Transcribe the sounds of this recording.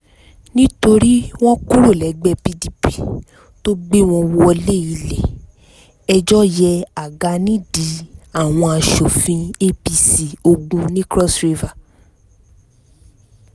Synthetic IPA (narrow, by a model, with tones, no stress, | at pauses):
nĩ˦to˧ɾi˦w̃ɔ̃˦kũ˦ɾo˦˨lɛ˨˦ɡ͡bɛ˧pi˧di˨pi˨ | to˦ɡ͡be˦w̃ɔ̃˧wo˧˦ɔ˧le˦˨i˨˧lɛ˨ | ɛ˧d͡ʒɔ˦jɛ˧a˨ɡa˧nĩ˦di˨˦a˦˨w̃ɔ̃˧a˨ʃo˨fĩ˧e˦pi˧si˨o˧ɡũ˧nĩ˦kɾɔ˦sɾi˧va˨